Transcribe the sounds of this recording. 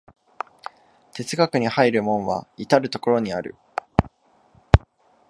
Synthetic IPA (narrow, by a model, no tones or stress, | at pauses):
t̪e̞t͡sɨɡakɯ̟ɲ̟ihaiɾɯ̟mõ̞ɰ̃βa̰it̪aɾɯ̟t̪o̞ko̞ɾo̞ɲ̟iaɾɯ̟̰